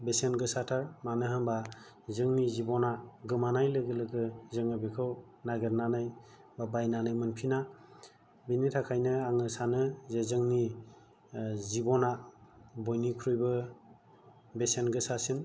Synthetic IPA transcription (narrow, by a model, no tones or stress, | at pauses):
besenɡɯsatʰaɾmanɯɦɯmba | zɯŋnizibɔnaɡɯmanajlɯɡɯlɯɡɯzɯŋɯbekʰɯw | naɡeɾnanɯj | babajnanɯjmɯnpʰina | binitʰakʰajnɯaŋɯsanɯzezɯŋni | zibɔnabɔjnikʰɾujbɯ | besenɡɯsasɯn